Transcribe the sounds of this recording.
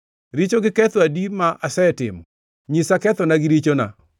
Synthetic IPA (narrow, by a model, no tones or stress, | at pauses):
ɾit͡ʃoɡɪkɛt̪wadimaʔasɛtɪ̰mɔ | ɲisakɛt̪ɔnaɡɪɾit͡ʃona̰